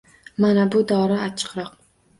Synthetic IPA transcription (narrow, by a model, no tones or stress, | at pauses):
manabʊd̪ɒɾɪat͡ʃʰɨ̥qɾɒq